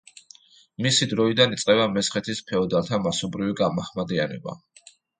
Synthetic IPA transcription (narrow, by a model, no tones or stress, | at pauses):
misid̪ɾɔid̪anit̪sʼqʼɛbamɛsχɛt̪ʰispʰɛɔd̪aɾlt̪ʰamasɔbɾiviɡamahmad̪ianɛ̰ba̰